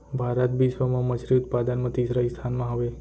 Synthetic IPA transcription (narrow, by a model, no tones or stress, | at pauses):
bʱaɾət̪bisʋəmãmət͡ʃʰɾiʊt̪̚pad̪ənmət̪isɾaist̪ʰanmãɦəʋe